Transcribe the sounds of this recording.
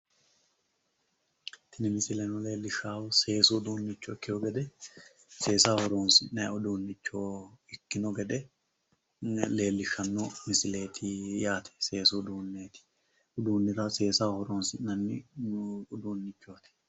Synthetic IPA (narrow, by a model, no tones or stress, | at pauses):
t̪ɪnɪmɪsɪlɛnʊle̞ːlːɪʃːaːwse̞ːsud̪uːnːɪt͡ʃːɔɪkːɪjɔɡɛd̪ɛ | se̞ːsaːhɔɾoːnsɪnɛʊd̪uːnːɪt͡ʃːoɪkːɪnɔɡɛd̪ɛ | le̞ːlːɪʃːɐnːɔmɪsɪle̞ːt̪ʰɪjaːt̪ʰɛ̥se̞ːsud̪uːnːeːt̪ɪ̥ | ʊd̪uːnːɪɾɐse̞ːsaːhɔɾoːnsɪnɐnːɪ | ʊd̪uːnːɪt͡ʃːot̪ɪ̥